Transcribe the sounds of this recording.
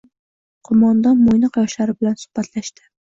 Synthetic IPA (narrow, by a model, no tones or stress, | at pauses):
qʰʊmɒnd̪ɒnmojnɨqjɒʃlaɾɪbɪlansʊ̥hb̥at̪ʰlaʃt̪ɪ̥